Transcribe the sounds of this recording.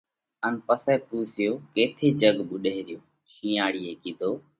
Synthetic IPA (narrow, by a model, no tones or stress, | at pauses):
ənpəsɛːp̪uːsɪjoːkeːt̪ʰeːd͡ʒəɡɓʊɗeːɾɪjoː | ʃĩːaːɽiːeːkiːd̪ʱoː